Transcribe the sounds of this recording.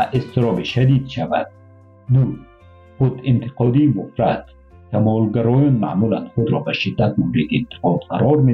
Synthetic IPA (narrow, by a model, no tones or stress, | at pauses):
aʔest̪iɾɔbiʃad̪id̪ʃava̰d̪̥̚ | nuɾ | χʊd̪int̪ʰɪ̥qɔd̪iːmʊfɾat̪ | kʰamɔlɡaɾɔjɔnma̰mula̰nd̪χʊd̪ɾɔbaʃid̪ːat̪̚mumɾik̪iːnt̪ʰɪ̥qɔd̪qaɾɔɾme